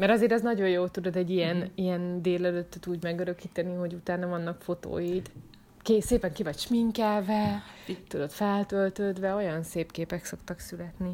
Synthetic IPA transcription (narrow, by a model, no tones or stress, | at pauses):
mɛɾɒzeːɾɛznɒɟo̞jjoːlt̪ud̪o̞d̪ɛɟːijɛnijɛnd̪eːlɛløt̪ːøt̪uːɟmɛɡøɾø̞kiːt̪ɛniɦo̞ɟut̪aːnɒvɒnːɒkfo̞t̪o̰ːjit̪ | keseːpɛŋkivɒcʃmiŋkaːvɛt̪ud̪o̞t̪fɛlt̪ølt̪øːd̪ʋɛo̞jɒnseːpkeːpɛkso̞kt̪ɒksylɛt̪ni